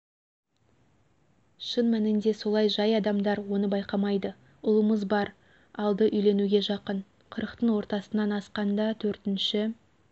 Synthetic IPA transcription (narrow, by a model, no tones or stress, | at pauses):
ʃənmænɪnd̪e̞so̞lˠɑjʒɑjɑd̪ɑmd̪ɑɾwo̞nəbɑjqɑmɑjd̪ə | ʊlˠəməzbɑɾ | ɑlˠd̪əʔʏjle̞nuɡʲe̞ʒɑqəɴ | qʰəɾəqt̪əɴwo̞ɾt̪ɑsənɑnɑsqɑnd̪ɑt̪ʰɵɾt̪ɪnʃɪ